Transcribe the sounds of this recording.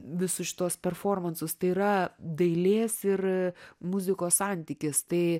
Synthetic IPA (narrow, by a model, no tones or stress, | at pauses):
ʋʲɪsʊʃʲɪ̥t̪uɔspʲɛrfoːrmɐnsʊst̪ɐɪiːɾɐd̪ɐɪlʲeːsɪrmʊzʲɪkoːssɑnʲt̪ʲiːkʲɪst̪ɐɪ